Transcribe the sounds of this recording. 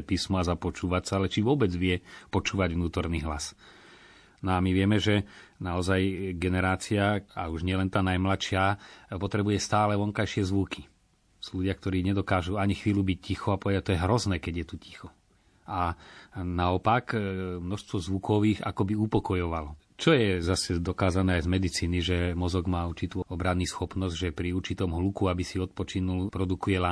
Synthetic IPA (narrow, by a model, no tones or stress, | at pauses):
piːsmɔazapɔt͡ʃuːʋat͡saalɛt͡ʃiʋʊɔbɛd͡zʋɪɛpɔt͡ʃuːʋaɟʋnuːt̪ɔɾniːɦla̰s | nɔamiʋɪɛmɛʒɛnaɔzajɡɛnɛɾaːt͡siaauʒɲɪɛlɛnt̪aːnajmlatʃɪapɔt̪ɾɛbujɛst̪aːlɛʋɔŋkajʃɪɛzʋukʰi̥ | suluɟɪak̚t̪ɔɾiːɲɛd̪ɔkaːʒuaɲixʋiːlubic̚cixuapɔʋɛd̪ac̚t̪ɔjɛɦɾɔznɛːkɛɟjɛt̪uci̥xɔ | a | naɔpakmnɔʃst̪ʋɔzʋukʰɔʋiːɣa̰kɔbiupɔkɔjɔʋalɔ | t͡ʃɔjɛzasɛd̪ɔkaːzanɛːajzmɛd̪it͡siːniʒɛmɔzɔɡmaːuɾt͡ʃit̪uːɔbɾanːisxɔpnɔzɟʒɛpɾiuɾt͡ʃit̪ɔmɦlukuabisiɔt̪̚pɔt͡ʃinulpɾɔd̪ukujɛla